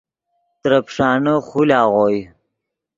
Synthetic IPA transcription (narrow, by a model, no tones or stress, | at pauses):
t̪ɾɐpʂɑːnəχulɑːʁoːj